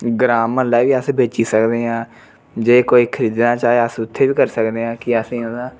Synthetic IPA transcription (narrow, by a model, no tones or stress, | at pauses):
ɡɾaːmːəlaːiʋiːəsbeːt͡ʃiːsəkd̪eːãː | d͡ʒeːkoːiːkʰəɾiːd̪nãːt͡ʃaːeːəsʊt̪ʰːeːʋiːkəɾsəkd̪eːãːkɪəsĩːõd̪ãː